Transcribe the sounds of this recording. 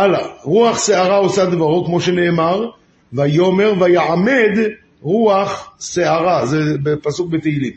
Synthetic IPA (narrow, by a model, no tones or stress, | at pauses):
ʔalaʁuaχseaʁaosad̪vaʁokmo̞ʃene̞ːmaʁ | vajo̞me̞ʁvajaʕame̞d̪ | ʁuaχseaʁazebepasuk̚bet̪eilim